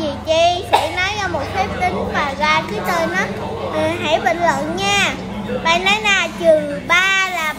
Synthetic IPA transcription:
i˨˩t͡ɕi˧˦ha̰˧˥nɔ˨˦jɔː˧˦mo˨˩t̚t̪ʰi˦˥p̚t̪ï˨˦ŋmaː˨˩ɣa̰ː˧˨jkiː˨˦jt̪əː˧jnɔ˨˦ | ʔəː˨˩ɦa̰˧˥jɓə̰˧˨ŋlə̰˧˨nɲaː˧ | ɓa̰ː˧˨jnɔ˨˦jnaː˨˩t͡ɕɨ˨˩əŋ | ɓaː˧laː˨˩

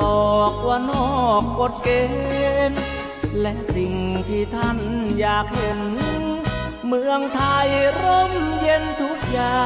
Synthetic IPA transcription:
ɔː˨˩k̚waː˧nɔː˧˩k̚ːo˨˧˩t̪̚keː˧e˧n | lɛ˦˧˥si˨˩ŋt̪ʰiː˧˩t̪ʰa˧˥˩njaː˨˩k̚he˨˩n˧ | mɯ˧əŋt̪ʰa˧jɾo˧˥mje˧nt̪ʰu˦˥k̚jaː˨˩

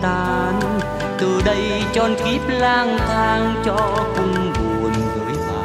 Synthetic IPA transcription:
t̪aː˧ | n | t̪ɨ˨˩ɗə˧j | t͡ɕɔ˧nki˦˥p̚laː˧ŋt̪ʰaː˧ŋt͡ɕɔ˧kʊ˧ŋ͡mvu˨˩ənvəː˨˦ja˨˦˩

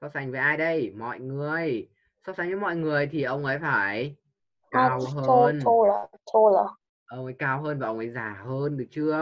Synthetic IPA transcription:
sɔ˧wsa˨˩jŋ̟vəː˨˦jʔaː˧jɗə˧jmɔ̰˧˨jŋɨ˨˩əj | sɔ˧wsa˨˧˩ŋ̟vɨː˨˦mɔ̰˧˨jŋɨ˨˩əjt̪ʰi˨˩ʔə˧wŋ͡mʔəː˨˦jfaː˧˩j | kaaː˧wɦəo˧no˧la̰ː˨t͡ɕo˧laː˨˩ | ʔə˧wŋ͡mʔəː˨˦jkaː˧wɦəː˧nvaː˨˩ʔə˧wŋ͡mʔəː˨˧˦jzaː˨˩həː˧nɗɨ˨˩ək̚t͡ɕɨ˧ə

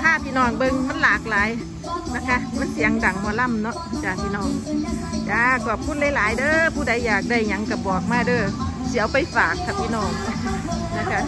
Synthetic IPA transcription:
t̪ʰaː˧˨p̪ʰiː˧˨nɔː˧˩ŋbɤ˧ŋma˧˥˨nlaː˨˩k̚laː˨˦j | na˧˥˩kʰa˧˥ma˧˥˨nsi˨˦ŋda˨˩ŋmɔː˧˨la˧˥˨mnɔ˧˦ʔt͡ɕaː˨˩np̪ʰiː˧nɔː˧˩ŋkaː˨˧˦kɔ˧˩pʰuː˧˥nlaː˧˦jlaː˨˦jdɤː˧˨pʰuː˧˩da˨˦jːaː˨˩k̚da˧˩jɲa˨˦ŋka˧˩bɔː˨˩k̚maː˧˥˩dɤː˧˩si˨˦ə˦wpa˨˧˦jfaː˨˩k̚ʰːa˧˩pʰiː˧˥˨nɔː˧˩ŋ | na˧˥˩kʰa˧˥

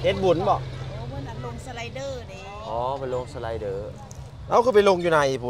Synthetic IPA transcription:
he˧˦t̪̚bu˨˦nbɔ˧˩˧ | lo˧ŋsa˧la˧jdɤː˧˩n˧ | ʔɔː˨˦ma˧nlo˧ŋsa˧la˧jdɤː˧˩ | na˦˧˥wkʰɯː˧˩pa˨jlo˧ŋjuː˧na˧jpʰu˨˦

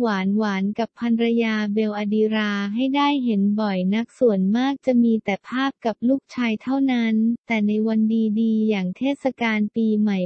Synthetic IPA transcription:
waː˩˦nwaː˩˦nka˨˩pʰːa˧nɾa˧jaː˧be˧wʔa˧diː˧ɾaː˧ɦa˥˩jdaː˥˩jɦe˩˦nbɔ˨˩jna˦˥k̚su˨˩ənmaː˥˩k̚t͡ɕa˨˩miː˧t̪ɛː˨˩pʰaː˥˩p̚ka˨˩p̚luː˥˩k̚t͡ɕʰaː˧jt̪ʰa˥˩wna˦˥nt̪ɛː˨˩na˧jwa˧ndiː˧diː˧jaː˨˩ŋt̪ʰeː˥˩t̪̚sa˧kaː˧npiː˧ma˨˩j

